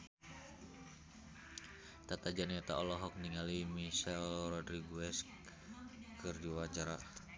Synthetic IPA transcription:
t̪at̪ad͡ʒanɛt̪aɔlɔɦɔk̚niŋalimiʃɛlrɔdɾiɡuɛsk | kɨrdiwat͡ʃaɾa

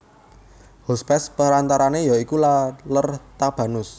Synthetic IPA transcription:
hospɛspəɾant̪aɾanejɔikulalərt̪ab̥a̤nʊs

